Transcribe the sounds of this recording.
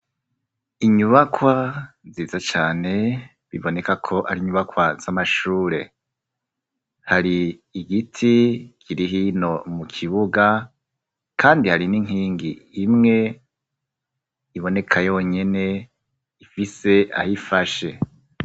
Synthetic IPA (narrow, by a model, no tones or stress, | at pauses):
iɲuβakwa | ziːzat͡ʃaːne̞ | βiβo̞ne̞kakʰo̞ʔa̰ɾiɲuβakwaz̥amaʃuːɾe̞ | haɾiːɡitʰikʰiɾiɦino̞mukʰiβuɡa | kʰaːndihaɾiniŋ̥iːŋɡiːmŋe̞ | iβo̞ne̞kʰajo̞ːɲe̞ne̞ | ifise̞ʔa̰hifaʃe̞